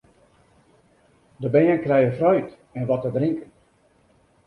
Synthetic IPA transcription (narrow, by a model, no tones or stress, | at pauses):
dəbɛənkrɛjəfrœɥt | ɛnʋɔtədriŋkən